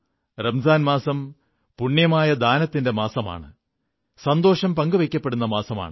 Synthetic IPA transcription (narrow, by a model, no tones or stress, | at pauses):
rɐmsaːnmaːsɐm | puɳːjɐmaːjɐd̪aːnɐt̪ːinde̞maːsɐma̰ːɳɨ | sɐnd̪o̞ːʂɐmpɐŋɡuʋekʲːɐpːe̞ɽunːɐmaːsɐma̰ːɳɨ